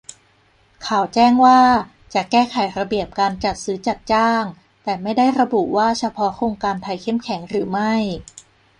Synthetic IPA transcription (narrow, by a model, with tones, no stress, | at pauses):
kʰaː˨˩wt͡ɕɛː˥˩ŋwaː˥˩ | t͡ɕa˨˩kɛː˥˩kʰa˩˦jɾa˧bi˨˩əp̚kaː˧nt͡ɕa˨˩t̪̚sɯː˦t͡ɕa˨˩t̪̚t͡ɕaː˥˩ŋ | t̪ɛː˨˩ma˥˩jda˥˩jɾa˧bu˨˩ʔwaː˥˩t͡ɕʰa˧pʰɔ˦˥kʰoː˧ŋkaː˧nt̪ʰa˧jkʰe˥˩mkʰɛ˩˦ŋɾɯː˩˦ma˥˩j